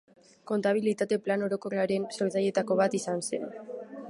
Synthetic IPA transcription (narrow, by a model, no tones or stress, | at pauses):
ko̞nt̪aβ̞ilit̪at̪e̞plano̞ɾo̞ko̞reaɾe̞nso̞ɾt͡saje̞t̪ako̞β̞at̪isansḛn